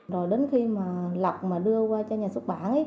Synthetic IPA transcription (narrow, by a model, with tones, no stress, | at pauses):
zo˨˩jɗe˨˦nxi˧maː˨˩la˨˩wk͡p̚maː˨˩ɗɨ˧əkwaː˧t͡ɕɔ˧ɲaː˨˩swu˦˥t̚ɓa̰ː˧˩nʔə˨˦j